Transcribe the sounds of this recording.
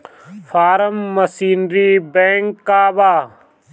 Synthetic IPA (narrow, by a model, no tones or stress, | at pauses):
fʰaːɾəmːɐsiːnɾiːbẽːŋkːaːbaː